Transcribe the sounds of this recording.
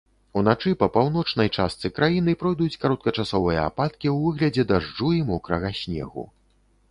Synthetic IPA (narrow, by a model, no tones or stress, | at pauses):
un̪at͡ʂɨpɐpawn̪ɔt͡ʂn̪ɐjt͡ʂast̪sɨkɾajin̪ɨpɾɔjd̪ut͡sʲkaɾɔt̪̚kɐt͡ʂasɔvɨjɐa̰pat̪kʲiwvɨɣlʲɐd͡zʲɛd̪aʐd͡ʐuimɔkɾɐɣasʲnʲɛ̰ɣṵ